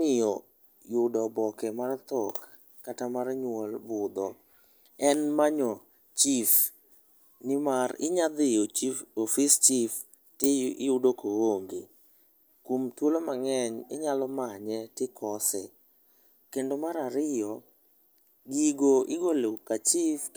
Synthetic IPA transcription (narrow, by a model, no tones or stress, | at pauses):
mɪjɔ | jʊdɔbɔkɛmart̪ɔkː | atamarɲwɔlbʊd̪ɔ | ɛnmaɲɔ | t͡ʃif | nɪmarɪ̰ɲad̪ɪoiofɪst͡ʃif | tɪɪʊdokooŋɡe | kumtwolomaŋɛɲɪɲalɔmaɲɛtɪkʰɔsɛ | kendomaɾaɾɪjɔ | ɡiɡoʔɪɡolekat͡ʃif